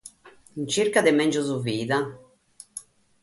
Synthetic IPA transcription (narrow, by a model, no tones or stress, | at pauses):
int͡ʃirkad̪ɪmɛnd͡ʒʊzuviːða